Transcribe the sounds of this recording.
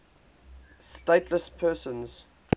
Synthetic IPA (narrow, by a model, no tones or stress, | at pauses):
steɪtʰləspʰɜːˑsə̃nz̥